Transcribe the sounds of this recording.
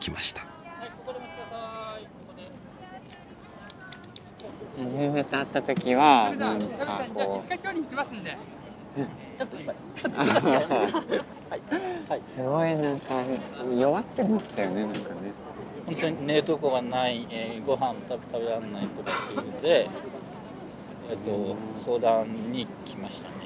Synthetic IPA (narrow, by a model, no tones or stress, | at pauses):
kʲʰimaɕi̥t̪ḁ | hakokoɾomakod̪e | maʑime̞t̪eat̪ːat̪o̞kʲiβanãŋkako̥ːkakʲoːɲʲiikʲimasɨ̃nd̪e | t͡ɕot̪ːoia | a | haisɨɡoinãŋkajoβat̪ːemaɕi̥t̪ajone̞nãŋkane | hõ̞nt̪oɲ̟ine̞t̪okoɡanaieɡo̞ɦãm̃ot̪abet̪ʰaβeɾanːait̪ot̪ot̪ːeɯnod̪e̞ | et̪ːo̞so̞ːd̪ãɲɲːikʲimaɕi̥t̪ane